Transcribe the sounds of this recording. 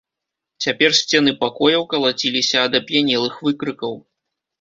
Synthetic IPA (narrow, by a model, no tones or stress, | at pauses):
t͡sʲapʲɛrsʲt͡sʲɛn̪ɨpakɔjɐwkɐlˠat͡sʲilʲisʲɐːd̪ɐpʲjanʲɛlˠɨxvɨkɾɨkɐw